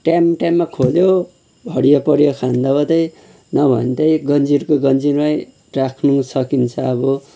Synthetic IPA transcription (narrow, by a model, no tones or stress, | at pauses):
ʈjamʈjamːakʰoljo | bʱʌɽijʌpʌɾjokʰãnd̪abʌd̪ʌj | nʌbʱʌ̰nt̪ʌjɡʌnd͡ziɾkoɡʌnd͡ziɾmaj | rakʰnusʌkint͡sʰʌːbʌ